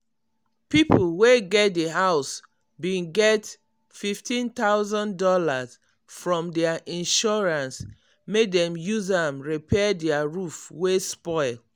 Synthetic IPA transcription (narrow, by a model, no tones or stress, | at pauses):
pipulweɡɛt̚deɦaʊs | bĩnɡɛt | fiftĩnt̪aʊzãndɔlaz̥ | fɹɔ̃mdɛaʔĩnʃɔɹãns | mek̚dɛ̃mjuzãmɹipʰɛdɛaɹufwespɔɪl